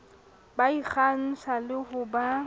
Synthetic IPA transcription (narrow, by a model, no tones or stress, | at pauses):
baik͡xan̩sʰalɪhʊba